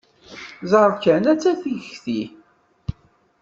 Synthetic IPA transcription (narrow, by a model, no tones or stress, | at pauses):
zˤəɾˤkænæt͡sːæθiʝəçθi